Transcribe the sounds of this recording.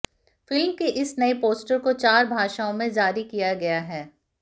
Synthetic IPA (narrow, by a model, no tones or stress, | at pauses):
fɪlmkeʔɪsnɐipoːsʈəɾkot͡ʃaːɾbʱaːʃaõmẽd͡ʒaːɾikijaɡɐjaɦɛː